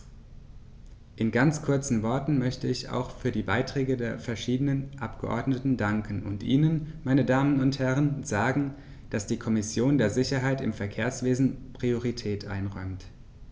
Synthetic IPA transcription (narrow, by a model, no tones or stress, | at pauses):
ʔɪnɡant͡skʰʊɐt͡sn̩vɔɐtn̩mœçtəɪça̰ʊxfyːɐdiːbaɪtʁ̥ɛːɡədeːɐfɛɐʃiːdənənʔapɡ̥əʔɔ̰ɐdnətn̩daŋkn̩ʊ̰ntʔḭːnənmaɪnədaːmənʊnthɛʁ̞ənzaːɡŋ̩ | d̥asd̥iːkʰɔmɪsjoːndeːɐzɪçɐɦaɪtɪ̰mfɛɐkʰeːɐsv̥eːzn̩pʁ̥ioʁitʰɛːtʔa̰ɪnʁɔʏmt